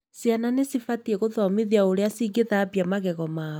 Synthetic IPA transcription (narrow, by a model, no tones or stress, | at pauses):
siananesifatieɣoðɔmeðiaoɾeasiɡeðapjamaɣɛɣɔmaː